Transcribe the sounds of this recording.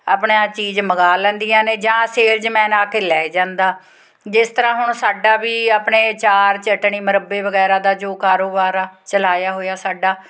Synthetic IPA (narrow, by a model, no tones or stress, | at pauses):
a̰pɳãːt͡ʃiːzməɡaːlə̃nd̪iːjãːneːd͡ʒãːseːɾd͡ʒmɛ̃ːnaːkeːlɛːd͡ʒãːnd̪aː | d͡ʒɪst̪əɾãːɦʊɳsaːɖaːʋiːapɳeːt͡ʃaːɾt͡ʃəʈɳiːməɾəbːeːʋəɡɛːɾaːd̪aːd͡ʒoːkaːɾoːbaːɾaːt͡ʃəlaːjaːɦoːjaːsaːɖaː